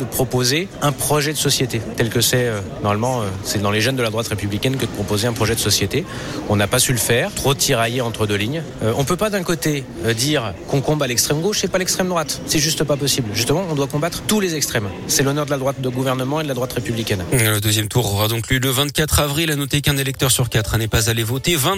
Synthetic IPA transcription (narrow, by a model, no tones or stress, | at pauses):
d̪əpχɔpozeɛ̃pχɔʒɛd̪əsɔsjet̪et̪ɛlkəsɛønɔʁmalmɑ̃øsɛd̪ɑ̃leʒɛnd̪əlad̪ʁwat̪ʁepyblikʲɛnkəd̪əpχɔpozeɛ̃pχɔʒɛd̪əsɔsjet̪e | kɔ̃napasyləfɛːʁt̪χot̪ʰiʁajeɑ̃t̪χəd̪øliɲ | øʔɔ̃pøpad̪ɛ̃kot̪e | d̪iʁkɔ̃kɔ̃balɛkst̪χɛmɡoʃɛpalɛkst̪χɛmd̪ʁwat̪sɛʒyst̪papɔsiblʒyst̪əmɑ̃ɔ̃d̪wakɔ̃bat̪χt̪ulezɛkst̪χɛm | sɛlɔnœʁd̪əlad̪ʁwat̪̚d̪əɡuvɛʁnəmɑ̃ed̪əlad̪ʁwat̪ʁepyblikʲɛñləd̪øzjɛmt̪uʁɔʁad̪ɔ̃kljøləvɛ̃t̪̚kʲat̪χavʁilanɔt̪ekɛ̃nelɛkt̪œʁsyʁkʲat̪χnɛpazalevɔt̪evɛ̃